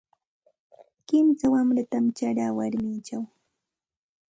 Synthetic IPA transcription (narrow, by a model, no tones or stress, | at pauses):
kɪmsawamɾat̪amt͡ʃaɾaːwaɾmɪt͡ʃaw